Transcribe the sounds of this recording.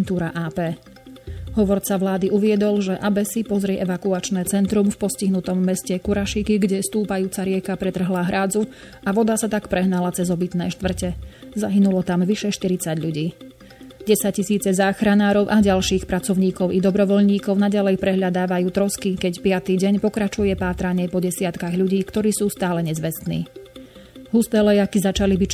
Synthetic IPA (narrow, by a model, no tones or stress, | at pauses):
nt̪uːɾaʔaːpɛː | ɦɔʋɔɾt͡saʋlaːd̪iʔuʋɪɛd̪ɔlʒɛʔabɛsipɔzɾɛʔɛʋakuat͡ʃnɛːt͡sɛnt̪ɾumfpɔsciɦnut̪ɔmːɛscɛkuɾaʃikiɡɟɛst̪uːpajuːt͡saɾɪɛkapɾɛt̪r̩ɦlaːɦɾaːd͡zu | aʋɔd̪asat̪akpɾʔɛɦnalat͡sɛzɔbit̪nɛːʃt̪ʋr̩cɛzaɦinulɔt̪amʋiʃɛʃt̪iɾit͡saɟʎuɟiː | ɟɛsac̚cːt͡ɕisiːt͡sɛzaːxɾanaːɾɔʊʔaɟalʃiːxpɾat͡sɔʊɲiːkɔʊid̪ɔbɾɔʋɔʎɲiːkɔʊnaɟalɛjpɾɛɦʎad̪aːʋajuːt̪ɾɔskikɛcpɪat̪iɟɛɲpɔkɾat͡ʃujɛpaːt̪ɾaɲɪɛpɔɟɛsɪat̪kaɣʎuɟiːkt̪ɔɾiːsuːst̪aːlɛɲɛzʋɛst̪nḭː | ɦust̪ɛːlɛjakizat͡ʃalibi